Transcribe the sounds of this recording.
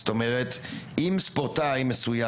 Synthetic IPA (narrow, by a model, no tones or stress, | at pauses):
st̪o̞meʁet̪imspoʁt̪ajmesuja